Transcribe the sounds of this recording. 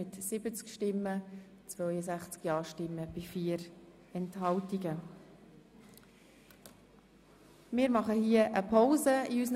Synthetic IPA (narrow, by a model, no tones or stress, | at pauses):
ɪtsɪbət͡skʃtɪmːə | t͡svœʏjəsæχt͡skjɑːʃtɪmːəb̥ɪfiːəɾ | ɛnthɑltiɡə | mɪːɾmɑχəhiəʔəpʰaʊzəiysən